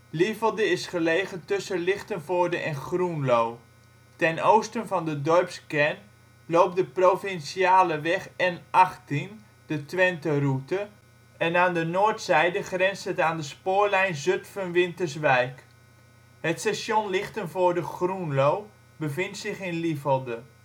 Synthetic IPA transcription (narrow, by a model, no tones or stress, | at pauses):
lifəlˠdəɪsχəlejɣəntɵsəlɪχtənvʊːɹdəʔɛnχrunlow | tɛnowstənvɑndədɔɹpskɛn | lowp̚dəprowfɪnsiaːləʋɛχɛnʔɑχtin | d̥ətʋɛntərutə | ɛnaːndənʊːəɹtsɛjdəχrɛnstətaːndəspʊːɹlɛjnzøtfənʋɪntəɹsʋɛjk | hətsaʃjonlɪχtənvʊːɹdəχrunlow | bəvɪntsɪχɪnlivəlˠdə